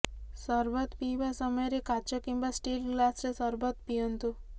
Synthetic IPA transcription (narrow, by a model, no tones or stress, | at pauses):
səɾʋət̪piʋasəməjɾekat͡ʃɔkimbasʈilɡlasɾesəɾbət̪pijənt̪u